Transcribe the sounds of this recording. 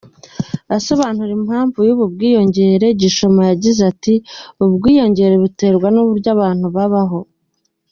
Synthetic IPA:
asoβaːn̥huɾimhaːɱvujuβub̚ɡiːjo̞ɲɟe̞ːɾe̞ɟiʃo̞majaɟizatiubɡiːjo̞ɲɟe̞ɾe̞βute̞ːɾɡwanuβuɾɟaβaːn̥huβaβaɦo̞

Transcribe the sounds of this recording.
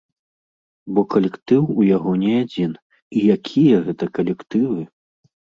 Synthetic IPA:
bɔkɐlʲɛkt̪ɨwujaɣɔnʲɛad͡zʲin | ijakʲʰijɐɣɛt̪ɐkɐlʲɛkt̪ɨvɨ

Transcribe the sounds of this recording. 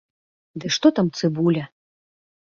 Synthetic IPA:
d̪ɨʂt̪ɔt̪amt̪sɨbulʲɐ

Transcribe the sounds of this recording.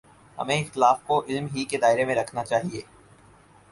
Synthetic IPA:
hɐ̰mẽɪxt̪ɪlaːfkoʔɪlmɦiked̪aːɪɾemẽɾɐkʰnat͡ʃaːɦieː

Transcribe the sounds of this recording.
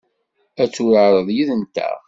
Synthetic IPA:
æt͡sːuɾəɾˤəðˤjiðənt̪æ̰ʁ

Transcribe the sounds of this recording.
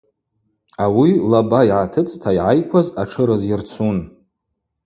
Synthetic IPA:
awilabaiʕatʰɨt͡sʼtʰaiʕajkʷʰazaʈ͡ʂʰɨɾɨzɪrt͡sʰun

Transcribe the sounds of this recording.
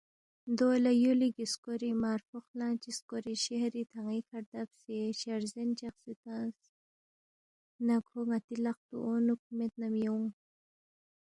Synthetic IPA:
d̪olajuliɡiskoɾimaːɾfoxlãːt͡ʃiskoɾiʃehɾit̪ʰaŋikʰaɾd̪apsiʃaɾzint͡ʃaxsit̪as | naɡʰoŋat̪ilaq̚t̪ṵʔonuk̚ʰumet̪̚namjowŋ

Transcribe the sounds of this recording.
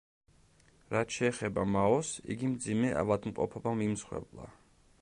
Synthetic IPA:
ɾat̪ʃɛːχɛbamaɔsḭɡimd̪zimɛa̰vad̪mqʼɔ̰pʰɔbamimsχwɛ̰blˠa̰

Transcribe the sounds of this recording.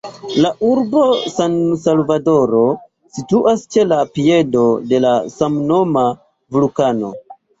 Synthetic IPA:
laʔuɾbo̞sansalvado̞ɾo̞ | situʔast͡ʃe̞lapie̞do̞de̞lasamno̞ma | vulukano̞̰

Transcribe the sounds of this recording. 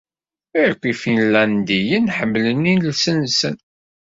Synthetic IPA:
iɾkʷːifinlænd̪ijənħəmːlənːinlsənsən

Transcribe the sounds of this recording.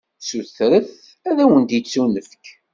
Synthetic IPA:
suθɾəθ | æðæwənt̪jit͡sːunəfk

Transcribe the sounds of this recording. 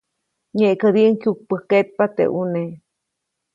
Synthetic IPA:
ɲeʔkəd̪iŋkjuk̚pəhket̪̚pat̪ḛʔune

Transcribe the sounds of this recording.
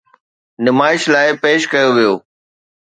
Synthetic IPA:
nɪmaːɪʃlaːɪpeːʃkɐjoʋijoː

